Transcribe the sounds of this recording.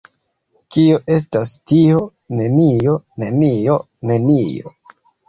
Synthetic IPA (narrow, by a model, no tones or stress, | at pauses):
kioʔe̞s̬tastio̞ | ne̞nio̞ne̞nijo̞ | ne̞nḭo̞̰